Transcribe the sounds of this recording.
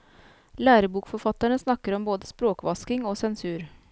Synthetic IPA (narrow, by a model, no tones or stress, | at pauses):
læːɾəbuːkfɔɾfɑt̪ːəɳəsnɑkːəɾɔmboːd̪əspɾoːkʋɑskɪŋoːsɛnsʉːɾ